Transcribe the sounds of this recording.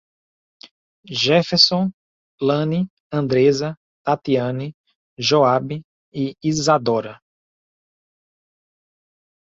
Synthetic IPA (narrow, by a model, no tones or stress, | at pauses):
ʒɛfesõ | lɐ̃ni | ɐ̃nd̪ɾezɐ | t̪at̪iɐ̃ni | ʒoabi | iizad̪oɾɐ